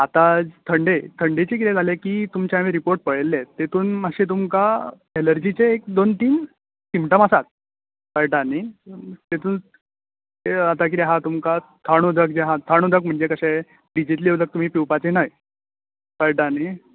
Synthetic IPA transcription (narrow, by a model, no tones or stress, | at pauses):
at̪at̪ʰəɳɖet̪ʰəɳɖet͡ɕik̬it̪ed͡zalekiːt̪umt͡ɕaʋeɾipoɾʈ̚pəɭelːet̪ːet̪ʰuːnməɕet̪̬umka | eləɾd͡ʑit͡ɕeːk̚d̪ont̪iːn | simʈəməsat̪̚ | pəɭʈanit̪et̪ʰuːn | at̪ak̬it̪eɦãt̪umkat̪ʰaɽ̃ud̪ək̚d͡ʑeɦãt̪ʰaɽ̃ud̪əkm̤əɳd͡zekəɕẽ | ɖid͡ʑit̪liewd̪ək̚t̪um̤iːpiwpat͡senaj | pəɭʈani